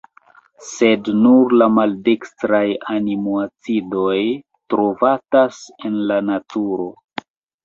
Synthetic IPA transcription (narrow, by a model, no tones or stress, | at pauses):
se̞dnuɾlamaldekstɾajanimuat͡sido̞j | tɾo̞vatasenlanatuɾo̞